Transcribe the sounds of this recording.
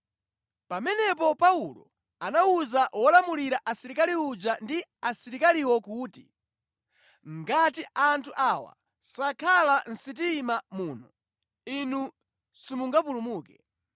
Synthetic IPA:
pamɛnɛp̬ɔpaulɔ̰ | anauzaʔwɔlamuliɾaʔasiɾikaliud͡ʒandiasiɾikaliwɔkuːtḭ | ŋɡatiʔantʰuʔawa̰ | sakʰalan̩sit̬iːmamuːnɔ | inu | simuŋɡapulumuːkɛ

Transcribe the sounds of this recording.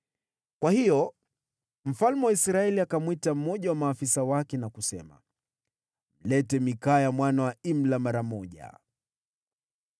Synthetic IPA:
kwahijɔ | m̩falmɛwaisɾaɛliakamwitam̩mɔʄawamaːfisawakɛnakusɛ̰ma̰ | m̩lɛtɛmikaːjamwanawaim̩lamaɾamɔʄa̰

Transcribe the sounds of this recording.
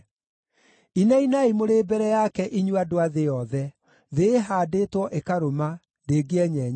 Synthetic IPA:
inainaimoɾeːbɛɾɛjakɛʔiɲwadoaðejɔðɛ | ðeɦaːdetwɔʔekaɾoma | ndeːɡeɛɲɛɲ

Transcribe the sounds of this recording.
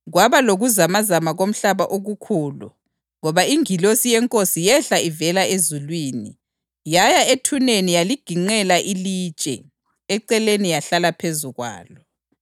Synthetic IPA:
ɣwaβaloɣuzamazamaɣom̩ɬaβaʔoɣukʰuːlṵ | ŋɔβaiŋilosijɛŋkʼosijɛɬaivɛlaezulwiːni | jajaetʰunenijaliɡ̥ʱiŋ͡ǀɛlaʔiliːt͡ʃʼɛ̰ | ɛǀɛlenijaɬalapʰezuɣwa̰ːlɔ

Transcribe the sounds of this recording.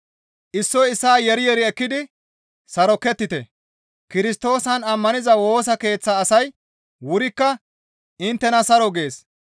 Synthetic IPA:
ʔɪsːɔjɪsːaːjɛɾɪjɛɾɪɛkːɪd̪ɪ | sɐɾɔkːɛt̪ːɪt̪ɛ̰ | kɪɾɪst̪o̞ːsɐnɐmːɐnɪzɐwo̞ːsɐke̞ːt͡sːɐːsɐj | wʊɾɪkːɐ | ɪnt̪ːɛnɐsɐɾɔɡe̞ːs

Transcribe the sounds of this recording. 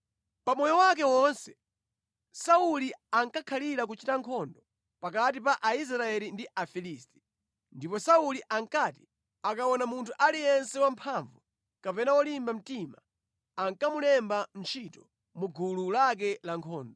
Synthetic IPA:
pamɔjɔwak̬ɛwɔnsɛ̥ | sauliaŋkakʰaliɾak̬ut͡ʃitaŋkʰɔndɔ | pakat̬ip̬aʔais̬ɾaɛlindiʔafilisti̥ | ndipɔsauliʔaŋkati̥ | akawɔnamuntʰuʔalijɛnsɛwampʰaɱvu | kapɛnawɔlimbam̩tima | aŋkamulɛmban̩t͡ʃʰitɔ̥ | muɡululak̬ɛlaŋkʰɔːndɔ

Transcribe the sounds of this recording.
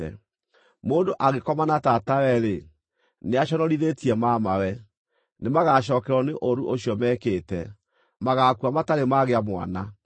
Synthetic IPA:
ɛ̰ | moːndoʔaɣekɔmanatatawɛɾe | neaʃɔnɔɾiðetiɛmamawɛ | nemaɣaʃɔːkɛɾɔneʔoɾuʔoɕiɔmɛːkeːtɛ | maɣakuamataɾemaɣeamwa̰na

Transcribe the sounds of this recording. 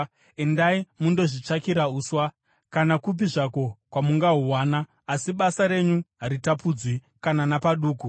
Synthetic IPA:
endaimundo̞ʐit͡ʂakiɾauːswa | kanakup̬iʐako̞kwamuŋɡaɦuwaːnaː | siɓasaɾe̞ɲuɦaɾitapuːd͡zwi | kananapaɗuːku

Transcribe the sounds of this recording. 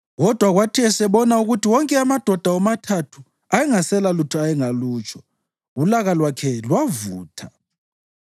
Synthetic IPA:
ɣɔd̥ʱwaɣwatʰiɛsɛβɔnauɣutʰiwɔŋkʼɛamad̥ʱɔd̥ʱaɔmatʰatʰu | ajɛŋasɛlalutʰuajɛŋaluːt͡ʃʰʼɔ̥ | ulaɣalwakʰɛlwavuːtʰa

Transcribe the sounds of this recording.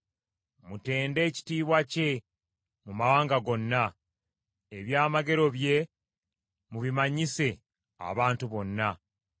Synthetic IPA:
mute̞ːnde̞ːci̥tiːβwace̞ | mumawaːŋɡaɡo̞nːa | eβjaːmaɡe̞ɾo̞βje̞ | muβimaɲise̞ | a̰βaːntuβo̞nːa

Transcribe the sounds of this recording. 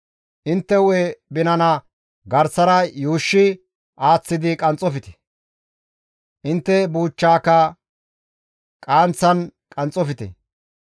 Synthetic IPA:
ʔɪnt̪ːɛwebɪnɐnɐ | ɡɐɾsɐɾɐjuːʃːɪ | aːt͡sːɪd̪ɪkʼɐnt͡sʼɔfɪt̪ɛ̥ | ʔɪnt̪ːɛbuːt͡ʃːaːkɐ | kʼaːnt͡sːɐnkʼɐnt͡sʼɔfɪt̪ɛ̰

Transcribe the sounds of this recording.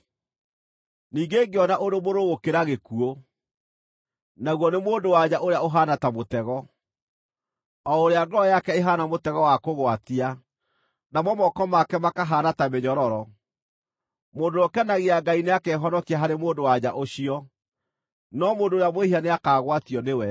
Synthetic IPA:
niːŋɡeːŋɡeɔnaʔoɾomoɾoɣokeɾaɣekuo | naɣwɔnemoːndowaɲaʔoɾeaoɦanatamotɛɣɔ | ɔoɾeaɡɾɔjakɛeɦanamotɛɣɔwakoɣwatia | namwɔmɔkɔmakɛmakaɦaːnatameɲɔɾɔɾɔ | moːndoɔkɛnaɣeaɡaineakɛɦɔnɔkiaɦaɾemoːndowaɲaʔoɕiɔ | nɔmoːndoːɾeamwehianeakaːɣwatiɔnewɛ

